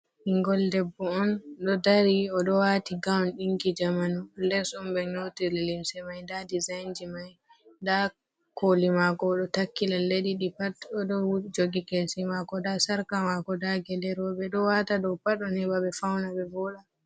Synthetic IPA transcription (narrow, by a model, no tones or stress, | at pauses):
ʔiŋɡɔldɛbːɔɔnɗɔdaɾiɔɗɔwatiɡawnɗiŋkid͡ʒamanulɛsumbɛɲotililimsɛmajndadizajnd͡ʒimaj | da | kolimakɔːɗɔtakːilalːeɗiɗipatɔɗɔd͡ʒoɡikesimakɔdasaɾkamakɔdaɡɛlɛɾɔbɛɗɔwatadɔwpaɗɔnɛbaɓɛfawnabɛbɔɗa